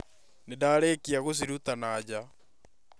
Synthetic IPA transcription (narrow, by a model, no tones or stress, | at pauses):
nedaːɾekiaɣos̬iɾut̪anaːd͡ʑa